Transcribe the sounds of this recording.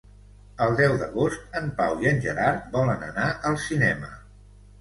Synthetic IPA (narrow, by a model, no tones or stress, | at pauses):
əlˠd̪ɛwd̪əɣost̪̚əmpawiənʲʒəɾaɾbɔlənə̰naʔəlˠsinɛmə